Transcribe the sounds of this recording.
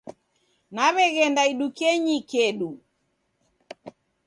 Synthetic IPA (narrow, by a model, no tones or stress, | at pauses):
naβɛɣɛndaiɗukɛɲikɛɗu